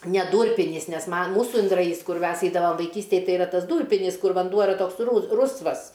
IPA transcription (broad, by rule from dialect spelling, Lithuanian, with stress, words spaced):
nʲɛ ˈduːrʲpʲɪnʲiːs nʲɛs mɐn ˈmuːsʊ ɪndrɐˈjiːs ˈkʊr ˈmʲɛs ˈɛɪdɐʋɐm ʋɐɪˈkʲiːsʲtʲeːj ˈtɐɪ ɪˈrɐ ˈtɐs ˈduːrʲpʲɪnʲɪs ˈkʊr ʋɐnˈduɔ ɪˈrɐ ˈtoːks ˈrʊsʋɐs